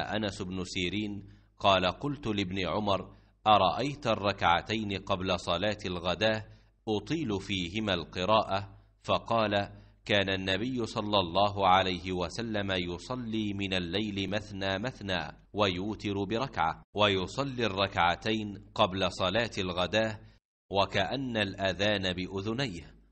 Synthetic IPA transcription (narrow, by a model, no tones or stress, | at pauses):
ʔanasʊbnʊsiːɾiːn | qɑːlaqʊlt̪ʊlɪbnɪʕʊmɑɾˤ | ʔɑɾˤɑʔajt̪ɑrˤːɑkʕat̪ajnɪqɑblasˤɑlaːt̪alɣad̪aː | ʔʊt̪ˤiːlʊfiːɦɪmaːlqɨɾˤɑːʔa | fɑqɑːlakaːnanːabɪjːʊsˤɑlːɑlˤːɑːɦʊʕalajɦɪwasalːamajʊsˤɑlːiːmɪnalːajlɪmaθnaːmaθna̰ː | wajuːt̪ɪɾbɪɾˤɑkʕa̰wajʊsˤɑlːiːrˤːɑkʕat̪ajnqɑblasˤɑlaːt̪alɣad̪aː | wakaʔanːalʔaðaːnabɪʔʊðʊnajh